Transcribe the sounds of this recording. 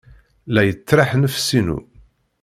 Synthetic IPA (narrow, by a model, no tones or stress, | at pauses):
læjət͡sːɾaħnəfsinṵ